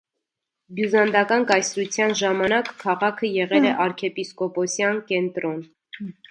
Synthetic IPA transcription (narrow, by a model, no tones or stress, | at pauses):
bjuzɑnd̪ɑkɑnkɑjsɾut͡sʰjɑnʒɑmɑnɑkʰːɑʁɑkʰəjɛʁɛlɛʔɑɾkʰɛpiskɔpɔsjɑnkɛnt̪ɾɔn